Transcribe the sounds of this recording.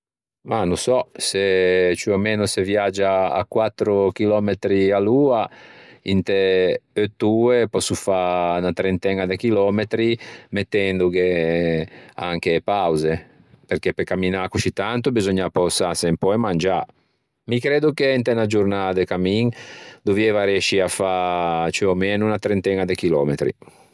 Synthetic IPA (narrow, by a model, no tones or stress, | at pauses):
manusɔset͡ʃuameːnosevjad͡ʒːa̰ːkːwat̪ːɾok̟ilɔmet̪ɾialuːaint̪epøt̪ːuːepɔsːufanat̪ɾent̪ɛŋad̪ek̟ilɔmet̪ɾimet̪ːɛnd̪uɡe | a̰ŋk̟epawze | perk̟epekamːinakut͡ʃit̪ant̪ubizɔɲːapɔsasempɔjmand͡ʒa | mikɾeːd̪ukeint̪enad͡ʒurnad̪ekamiŋd̪uvɛvaɾjɛʃiafat͡ʃuɔmɛːnunat̪ɾɛnt̪ɛnad̪ekilɔ̰ːmḛt̪ɾḭ